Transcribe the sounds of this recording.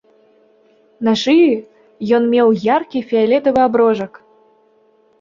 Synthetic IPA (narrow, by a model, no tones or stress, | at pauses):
naʂɨji | jɔnmʲɛwjarkʲifʲialʲɛt̪ɐvɨabɾɔʐɐk